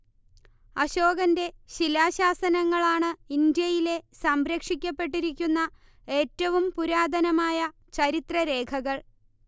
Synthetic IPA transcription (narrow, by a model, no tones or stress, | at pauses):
ɐɕo̞ːɣɐnde̞ɕilaːɕaːsɐnɐŋːɐɭaːɳɨind̪jɐjile̞sɐmɾɐkʂikʲːɐpːe̞ʈ̬ːiɾik̬ʲːunːɐ | e̞ːtːɐʋumpuɾaːd̪ʱɐnɐmaːjɐ | t͡ɕɐɾit̪rɐɾe̞ːkʰɐɣɐɭ